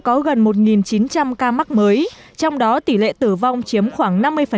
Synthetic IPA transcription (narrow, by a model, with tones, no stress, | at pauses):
kɔ˨˦ɣə˨˩nmo˨˩t̬̚ŋi˨˩nt͡ɕi˨˦nt͡ɕa˧mkaː˧ma˦˥k̚məː˨˦j | t͡ɕɔ˧wŋ͡mɗɔ˨˦t̪i˧˩lḛ˧˨t̪ɨ˧˩va˧wŋ͡mt͡ɕi˨˦əmxwaː˧˩ŋna˧mːɨ˧əjfə˨˩